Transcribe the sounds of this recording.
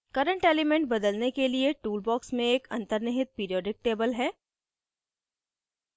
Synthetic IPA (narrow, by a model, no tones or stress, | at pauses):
kɐɾə̃ɳʈeːlimẽɳʈ̚bɐd̪əlnekelieʈuːlbɔːksmẽeːkɐ̰̃nt̪əɾnɪɦɪt̪̚piːɾijɔːɖɪk̚ʈeːbəlɦɛː